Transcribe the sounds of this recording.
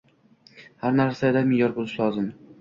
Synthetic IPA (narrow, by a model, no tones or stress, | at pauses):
haɾnaɾsaed̪amɪejɒɾbolˠɪʃlˠɒzɪm